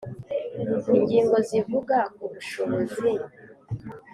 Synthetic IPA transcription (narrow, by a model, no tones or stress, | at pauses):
iɲɟiːŋɡo̞zivuɡakuβuʃoβo̞zi